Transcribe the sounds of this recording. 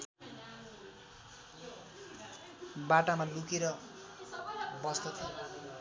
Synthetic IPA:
baʈamalukeɾʌ | bʌst̪ʌt̪ʰo

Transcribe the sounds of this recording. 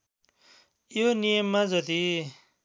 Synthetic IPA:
jonijʌmːad͡zʌt̪i

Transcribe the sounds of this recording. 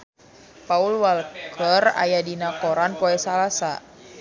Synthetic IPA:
paulwalkʰəra̰jadinakoɾanpoɛsalasa̰

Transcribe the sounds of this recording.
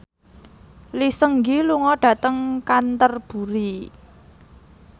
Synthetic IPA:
lisəŋɡiluŋɔɖ̥ä̤t̪əŋkant̪ərb̥ṳɾi

